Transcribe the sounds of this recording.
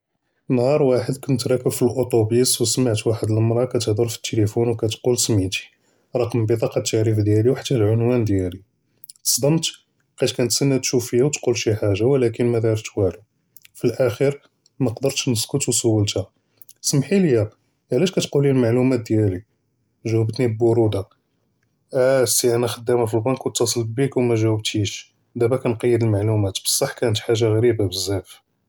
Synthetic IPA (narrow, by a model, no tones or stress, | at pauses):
nhɑɾˤwaħəd̪kʊnt̪ɾɑkəbfilʔot̪ˤobiswsmaʕt̪waħəd̪əlmɾˤɑkæt̪əhd̪ˤʊɾfi̥t̪ːelifunwkæt̪qulsmiʕt̪i̥ | ɾˤɑqəmbət̪ˤɑqɑt̪ːəʕɾəfd̪jæliwħḁt̪ːæhlʕʊnwænd̪jæli | t̪ə̥sˤd̪ˤəmt̪ | qæt̪kænt̪sənːæt̪ʃufəjːawt̪qulʃiħaʒːawlækənmæd̪ɑɾˤt̪wæli | filʔæxiɾ | mæqd̪əɾt̪ʃnəskʊt̪wsʊwːəlt̪hæ | səmħiljæ | ʕlæʃkæt̪qulilmaʕlumæt̪̚d̪jæli | ʒæwəbt̪nibbʊɾud̪a | ʔæsiʔænæxəd̪ːæmhæfilbɑnkwət̪ːɑsˤlbikwmæʒæwəb̚t̪iʃ | d̪æbækænqɑjːəd̪əlmaʕlumæt̪bə̥sˤːɑħːkænət̪ħaʒːaɣæɾibabəzːæf